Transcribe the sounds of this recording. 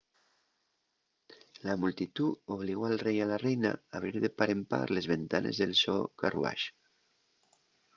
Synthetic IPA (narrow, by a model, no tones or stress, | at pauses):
lamult̪it̪uoβ̞liɣoalrejalarejna̰aβ̞ɾiɾðepaɾempa̰ɾlezβent̪anʔezðelsokarṵa̰ʃ